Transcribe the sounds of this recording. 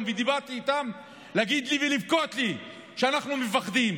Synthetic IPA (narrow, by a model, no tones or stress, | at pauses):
mved̪ibaʁt̪iːt̪am | leaɡid̪livelivkot̪li | ʃeanaχnumefaχd̪im